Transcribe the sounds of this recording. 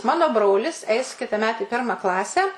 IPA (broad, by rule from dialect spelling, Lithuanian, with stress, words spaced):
ˈmɑːnoː ˈbroːlʲɪs ˈɛɪs kʲɪtɐˈmʲɛt ɪ ˈpʲɪrmɐ ˈklˠɑːsʲæː